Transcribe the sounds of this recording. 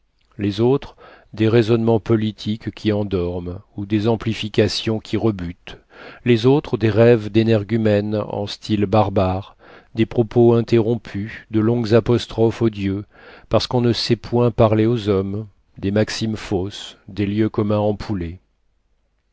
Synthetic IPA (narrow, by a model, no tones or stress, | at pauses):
lezot̪χd̪eʁezɔnmɑ̃pɔlit̪ʰikʲʰːiɑ̃d̪ɔʁmud̪ezɑ̃plifikʲasjɔ̃kʲʰiʁəbyt̪ | lezot̪χəd̪eʁɛvd̪enɛʁɡʲymɛnɑ̰̃st̪ʰilbaʁbaʁ | d̪epχɔpʰoɛ̃t̪eʁɔ̃pʰyd̪əlɔ̃ɡzapɔst̪χɔfod̪jø | paʁsə̥kɔ̃nəsɛpwɛ̃paʁleozɔm | d̪emaksimfosd̪eljøkɔmɛ̃ɑ̃pʰule